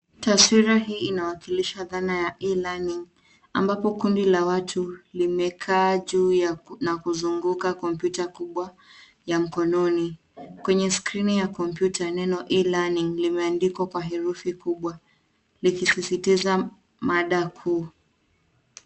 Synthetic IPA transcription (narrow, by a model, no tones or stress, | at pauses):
taswiɾaɦiːinawakiliʃaðanajaʔilaniŋ | ambapɔkundilawatʰulimɛkʰaːʄuːjanakuzuŋɡukakɔmpjutakuɓwa | jam̩kɔnɔni | kwɛɲɛskɾinijakɔmpjutʰanɛnɔʔilaniŋlimɛandikwakwaɦɛɾufikuɓwa | likisisitiza | maɗakʰuː